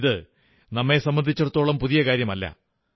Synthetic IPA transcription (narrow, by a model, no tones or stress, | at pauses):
ðɨ | nɐmːe̞sɐmbɐnd̪ʱit͡ɕːɐɽt̪ːo̞ːɭɐmpuðijɐkaːɾjɐmɐlːɐ̰